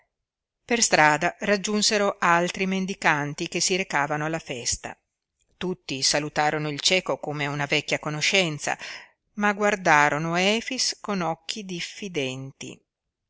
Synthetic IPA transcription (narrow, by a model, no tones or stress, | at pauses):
perst̪ɾaːd̪arad͡ʒːunseɾoʔalt̪ɾimend̪ikant̪ik̟esːiɾekaːvanoalːafɛst̪a̰ | t̪ut̪ːisalut̪aːɾonoilt͡ʃɛːkokomeunavɛkːjakonoʃːɛnt̪sa̰ | maɡward̪aːɾonoɛːfiskonɔk̟ːid̪ifːid̪ɛnt̪ḭ